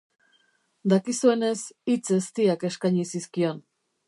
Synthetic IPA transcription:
d̪akisue̞ne̞sit͡sest̪iake̞skajɲisiskio̞n

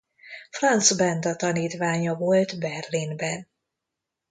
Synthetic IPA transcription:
frɒnt̪sbɛnd̪ɒt̪ɒniːt̪ʋaːɲɒvo̞lt̪bɛrlinbɛn

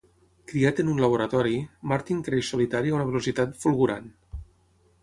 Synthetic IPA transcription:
kɾiat̪ənunlaβ̞oɾat̪ɔɾimaɾt̪iŋkɾeʃsulit̪aɾiaunəβelusit̪at̪fulˠɣuɾan

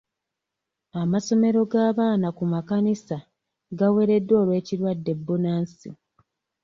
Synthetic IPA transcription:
amaso̞me̞ɾo̞ɡaːβaːnakumakanisa | ɡawe̞ɾe̞dːwo̞ːlwe̞ːciɾwadːe̞bːunaːnsi

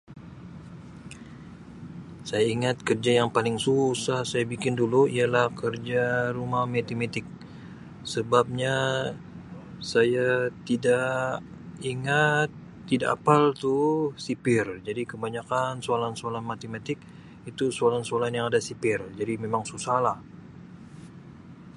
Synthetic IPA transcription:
sajaiŋat̪̚kərd͡ʒajaŋpalɪŋsusahsajabikɪnduluialahkərd͡ʒaɾumahmet̪imet̪ɪk̚ | səbap̚ɲa | sajat̪ida | iŋat̪ː | ida̰ʔa̰palt̪usipɪrd͡ʒadikəbaɲakansoalansoalanmat̪emat̪ɪk̚ | it̪usoalansoalanjaŋadasipɪrd͡ʒadimemaŋsusahlah

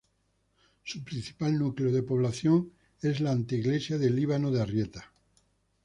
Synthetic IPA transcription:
supɾin̟θi̥palnukleoð̞e̞po̞β̞laθjoŋ | e̞zlaːnt̪iiɣle̞sjaðeliβ̞anoðearjet̪ḁ

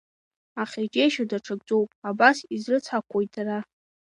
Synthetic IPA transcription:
aχʲed͡ʒʼejʃadaʈ͡ʂʰaɡ̚d͡zʼo̞wpʼabasizrɨt͡sʰakʷʰojtʰara

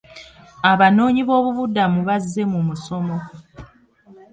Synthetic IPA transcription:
aβano̞ːɲiβo̞ːβuβudamuβazːe̞mumuso̞mo̞

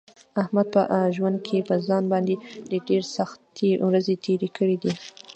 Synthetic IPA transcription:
ahmad̪̚pəʔʒwand̪̚kʰepəzɑnbɑnd̪ed̪əɖeɾsaxt̪ewɾazet̪ʰeɾekʰəɽid̪i

